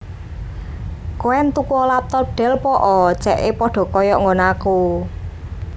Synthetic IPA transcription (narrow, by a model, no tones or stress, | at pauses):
koɛnt̪ukuɔlap̚t̪ɔɖ̥ɛ̤lpɔʔɔt͡ʃɛʔepɔɖ̥ɔ̤kɔjɔʔŋɡonaku